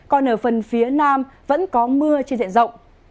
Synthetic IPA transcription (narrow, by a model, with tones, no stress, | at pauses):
kɔ˨˧nʔəː˧˩fə˨˩nfi˨˦ənaː˧mvə̰˧˥nkɔ˨˦mɨ˧ət͡ɕe˧nzḭ˧˨nzə̰˧˨wŋ͡m